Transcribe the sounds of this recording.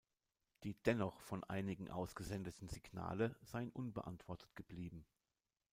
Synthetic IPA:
d̥iːd̥ɛnɔχfɔnʔa̰ɪnɪɡŋ̩ʔa̰ʊsɡ̥əzɛndətn̩zɪɡna̰ːləz̥aɪənʔʊnbə̰ʔa̰ntv̥ɔɐtʰə̥tɡ̥əbliːbm̩

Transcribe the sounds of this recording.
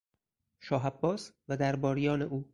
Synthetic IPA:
ʃɒːɦæbːɒːsvæd̪æɾbɒːɾijɒːneʔuː

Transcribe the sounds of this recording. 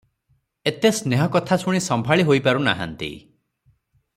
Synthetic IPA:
et̪esneɦɔkɔt̪ʰasuɽ̃isɔmbʱaɭiɦojpaɾuna̰ɦa̰nt̪ḭ

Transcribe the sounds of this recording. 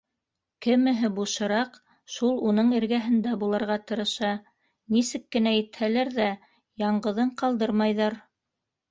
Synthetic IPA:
kɘ̆mɘ̆ɦɘbuʃɤ̆ɾɑq | ʃulˠunɤɴɘ̆ɾɡæɦɘ̆nd̪æbulˠɑ̆ɾʁɑt̪ɤ̆ɾɤ̆ʃɑ | nisɘkːɘ̆næjɘ̆t̪hælæɾðæ | jɑɴɢɤ̆ðɤɴqɑlˠd̪ɤɾmɑjðɑɾ

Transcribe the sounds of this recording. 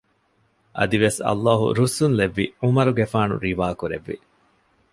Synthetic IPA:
ʔɐ̰d̪iʋesɐ̰lːaːɦṵɾusunleʋːiumɐɾuɡefaːnṵɾiʋaːkuɾḛʋːḭ

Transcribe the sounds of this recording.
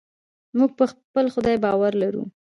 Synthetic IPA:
muɡ̚pəxpəlxʊd̪ɑjbɑwaɾlaɾṵ

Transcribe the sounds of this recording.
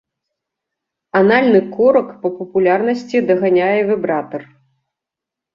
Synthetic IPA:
analʲnɨkɔɾɐkpɐpɐpulʲarnɐsʲt͡sʲid̪ɐɣanʲajɛvɨbɾat̪ɐr

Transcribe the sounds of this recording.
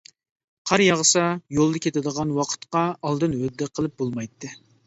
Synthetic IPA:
qʰɑɾjɑʁəsɑjolˠd̪ɑkʲʰet̪ɪd̪əʁɑnwɑqʰə̥t̪qɑːlˠd̪ɨnhød̪ːɛqʰəlˠɨp̚bolˠmɑjt̪ʰːɨ

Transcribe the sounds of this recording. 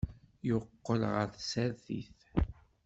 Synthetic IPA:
jʊqːəlʁəɾθsæɾθḭθ

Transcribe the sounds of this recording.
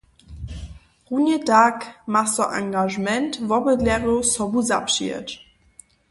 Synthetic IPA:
ʁunjədaːkmasɔʔa̰ŋɡaʒmɛntvɔbədlɛʁosɔbuzapʃḭə̰t

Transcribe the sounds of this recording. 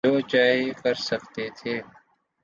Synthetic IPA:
oːt͡ʃaːɦekəɾsəkt̪et̪ʰeː

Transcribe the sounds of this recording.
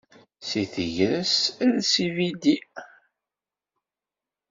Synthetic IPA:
siθəʝɾəsðsivid̪i

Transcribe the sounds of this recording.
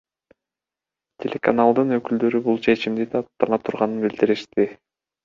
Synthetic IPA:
t̪ʲʰe̞lʲe̞kanalˠd̪ɯnø̞kyld̪ø̞ɾybulˠt͡ʃʰe̞t͡ʃimd̪id̪ɑːt̪ːɑnɑt̪ʰuɾʁɑnɯnbild̪iɾiʃt̪i

